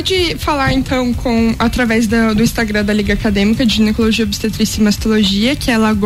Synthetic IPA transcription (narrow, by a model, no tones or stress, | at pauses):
d͡ʒɪfalaɾẽnt̪ɐ̃w̃kʰõw̃at̪ɾavɛzd̪ɐd̪ʊĩst̪aɡɾɐ̃d̪ɐliɡɐakad̪ẽmikɐd͡ʒɪʒinekoloʒiɐobist̪et̪ɾisɪimast̪oloʒiɐkʲɪɛlaɡ